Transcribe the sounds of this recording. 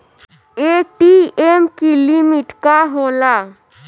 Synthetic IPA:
eʈiemkilimiʈkaɦoːla

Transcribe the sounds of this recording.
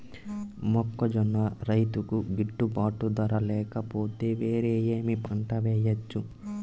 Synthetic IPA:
mɔkːɐd͡ʒɔnːɐɾɐjt̪ukuɡiʈːubaːʈud̪ɐɾɐlɛːkɐpo̞ːt̪e̞ːʋe̞ːɾeːjeːmipʰɐɳʈɐʋɛːjɐt͡ʃːu

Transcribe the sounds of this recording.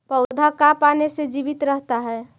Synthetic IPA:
pəʊd̪ʱakapanesed͡ʒibit̪ɾəɦt̪aɦɛ

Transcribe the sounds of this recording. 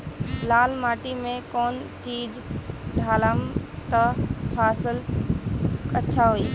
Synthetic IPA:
lalmaʈimẽkoːnt͡ʃid͡ʒɖʱaləmt̪əpʰasəl | ətːʃʰaɦoi

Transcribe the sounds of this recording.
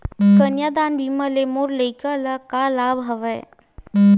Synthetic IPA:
kənjad̪aːnbʱiməlemoɾləikalakalabʱɦɐʋəj

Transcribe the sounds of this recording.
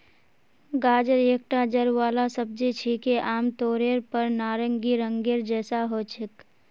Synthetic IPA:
ɡaːd͡ʒəɾeːk̚ʈad͡ʒəɾʋaːlasəb̚d͡ʒit͡ʃʰikeʔaːmt̪oːɾeːɾpəɾnaːɾəŋɡiɾəŋɡeɾd͡ʒɛːsaɦoːt͡ʃʰɪk

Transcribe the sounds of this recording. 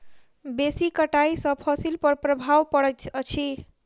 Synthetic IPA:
besikəʈaisə̃pʰɔsilpəɾpɾəbʱawpəɽɛt̪ʰt͡ʃʰi

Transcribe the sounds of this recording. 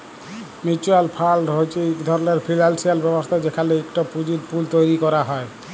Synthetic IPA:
mit͡ɕualpʰalɖɦojt͡ɕʰekd̪ʱɔɾoneɾpʰilalsialbɛbost̪ʰad͡ʑekʰaleekʈapud͡ʑiɾpult̪ojɾikɔɾaɦɔe

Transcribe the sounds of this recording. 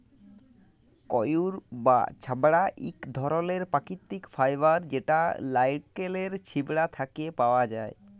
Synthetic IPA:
kɔjuɾba̰t͡ɕʰabɽaʔikd̪ʱɔɾoleɾpakit̪ːikfʰajbaɾd͡ʑeʈalajʈkeleɾt͡ɕʰibɽat̪ʰakepawad͡ʒa̰e

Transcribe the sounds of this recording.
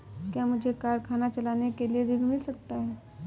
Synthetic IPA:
kjaːmʊd͡ʒʱekaːɾkʰaːnat͡ʃɐlaːnekelieɾɪnuisɐk̚t̪aɦɛː

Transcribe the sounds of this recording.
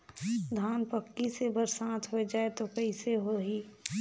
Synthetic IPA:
d̪ʱaːnpəkːisebəɾsãːt̪ʰɦoed͡ʒaːet̪okəɪseɦoɦiː

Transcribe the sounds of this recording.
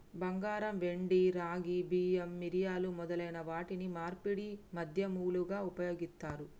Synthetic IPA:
bɐŋɡaːɾɐmʋe̞ɳɖiɾaːɡibiːemːiɾijaːlumɔd̪ɐlɐjnɐʋaːʈinimaːɾpiɽimɐd̪ʱjɐmuːluɡaːupɐjo̞ːɡist̪aːɾu

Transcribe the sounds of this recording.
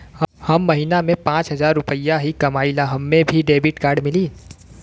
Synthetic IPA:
hhɐmːɐɦinamẽpãːt͡ʃɦɐzaːɾːʊpəjaɦikɐmaːilaɦɐmːẽbʱiɖeːbɪʈkaːɾɖmɪliː

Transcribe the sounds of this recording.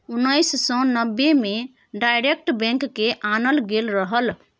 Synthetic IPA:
unːəjssə̃nəbːeme | ɖajɾek̚ʈbɛ̃ŋkːeʔanəlɡelɾəɦəl

